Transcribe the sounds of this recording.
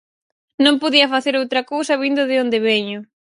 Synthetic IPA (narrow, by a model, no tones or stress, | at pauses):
nõmpoðiɐfaθeɾowt̪ɾɐkowsɐβind̪ʊðɪond̪eβeɲʊ